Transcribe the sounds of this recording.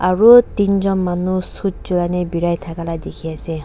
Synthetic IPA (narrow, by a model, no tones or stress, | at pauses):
aɹutinzɔnmanusut̚z̥ulanɛbiɹajtʰakaladekʰiasɛ